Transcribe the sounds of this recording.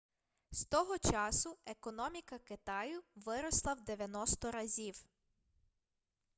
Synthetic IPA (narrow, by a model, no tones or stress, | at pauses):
st̪ɔɦɔt͡ʃɑsʊekɔnɔmʲikɐkɪt̪ɑjʊʋɪɾɔslˠɐwd̪eʋʲjɐnɔst̪ɔɾɐzʲiw